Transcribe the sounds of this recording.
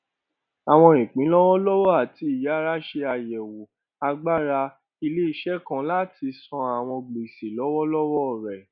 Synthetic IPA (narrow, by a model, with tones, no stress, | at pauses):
a˨w̃ɔ̃˧ĩ˨k͡pĩ˨˦lɔ˦wɔ˦lɔ˦wɔ˦a˨ti˧i˨ja˨˦ɾa˦ʃe˧a˨jɛ˨wu˨ | a˧ɡ͡ba˦ɾa˧ | i˧le˦i˦ʃɛ˦kã˦la˦tʰi˧sɔ̃˧a˨w̃ɔ̃˧ɡ͡ble˨si˨lɔ˦wɔ˦lɔ˦wɔ˦˨ɾɛ˨